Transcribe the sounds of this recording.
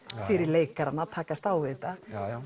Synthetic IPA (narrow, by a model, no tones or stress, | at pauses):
fɪɾɪɾleːjkaɾanːat̪ʰaːkast̪aːwvɪt̪a